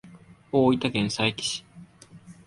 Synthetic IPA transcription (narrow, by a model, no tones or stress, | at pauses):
oːit̪aɡẽɰ̃saekʲi̥ɕi̥